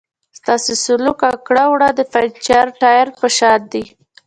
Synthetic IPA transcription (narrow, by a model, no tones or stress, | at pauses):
st̪ɑsesʊlukakɽawɽad̪əfat͡ʃaɾʈɑjaɾpəʃɑd̪̚d̪i